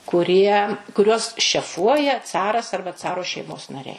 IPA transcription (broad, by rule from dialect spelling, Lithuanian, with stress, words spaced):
kʊˈrʲiɛ kʊˈrʲuɔs ʃʲɛˈfuɔjɛ ˈt͡sɑːrɐs ˈɐrbɐ ˈt͡sɑːroː ʃʲɛɪˈmoːs nɐˈrʲɛɪ